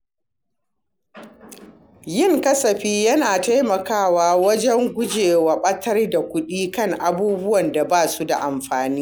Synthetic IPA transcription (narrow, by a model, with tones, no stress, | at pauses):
jɪ˦˨ŋkɐ˦sɐ˨ɸiː˦jɐ˦naː˨ta˦jmɐ˨kaː˦˨waː˦wɐ˦d͡ʒɛ˦ŋɡʷʊ˦d͡ʒeː˨wɐ˨ɓɐ˦tʰɐ˦rda˨kʷʊ˦ɗiː˦kɐ˦˨ŋʔa˨buː˦bʊ˦wɐ˨nda˨baː˦˨su˦da̰˨ʔa˨mɸaː˨niː˦